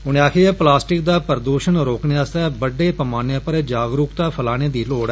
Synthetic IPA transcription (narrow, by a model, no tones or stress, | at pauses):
ɦʊnẽaːkʰeɛːplaːsʈɪk̚d̪aːpəɾd̪uːʃənɾoːkneaːst̪ɛːbəɖeːpəmaːneãːpəɾd͡ʒaːɡɾuːkt̪aːpʰəlaːneːd̪iːloːɽɛ